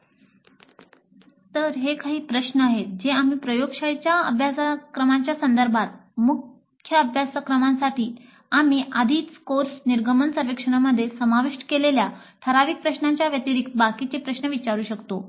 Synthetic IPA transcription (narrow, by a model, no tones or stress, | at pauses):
t̪əɾɦekaɦiːpɾəɕnəaɦed͡ʑeamiːpɾəjoɡʂajt͡ɕjaə̰bʱjasakɾəmaɲt͡ɕjasənd̪əɾbʱat̪̚mukʰ | jəəbʱjasakɾəmãnsaʈʰiː | amiːʔad̪ʱiːt̪koɾsniɾɡʱəmənsəɾʋikʂəɳaməd̪ʱːjesəmaʋiʂʈkeleljaʈʰəɾaʋiːk̚pɾəɕnãɲt͡ɕjaʋjət̪iɾik̚t̪̚bakit͡sepɾəɕnəʋit͡ɕaɾuːɕəkt̪o